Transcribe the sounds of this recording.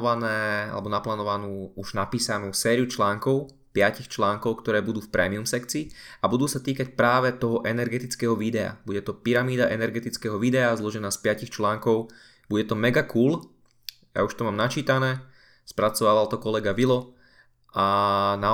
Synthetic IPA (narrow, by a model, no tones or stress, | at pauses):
ʋanɛːa̰lɛbɔnaplaːnɔʋanuːuʒnapiːsanuːsɛːɾijut͡ʃlaːŋkɔʊ | pɪacixt͡ʃlaːŋkɔʊkt̪ɔɾɛːbud̪uːfpɾɛ̰ːmiumsɛkt͡siːabud̪uːsat̪iːkac̚pɾaːʋɛt̪ɔɦɔʔɛnɛɾɡɛt̪it͡skɛːɦɔʋid̪ɛa̰b̥uɟɛt̪ɔpiɾamiːd̪aʔɛnɛɾɡɛt̪it͡skɛːɦɔʋiːd̪ɛazlɔʒɛnaːspɪacixt͡ʃlaːŋkɔʊ | b̥uɟɛt̪ɔmɛɡakuːl | ja̰uʃt̪ɔmaːmnat͡ʃiːt̪anɛː | spɾat͡sɔʋaːʋalt̪ɔkɔlɛɡaʋilɔ | ʔana